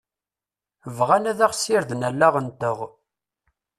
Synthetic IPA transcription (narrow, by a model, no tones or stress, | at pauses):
əvʁænæðæχsɪɾðnælːæʁənt̪əʁ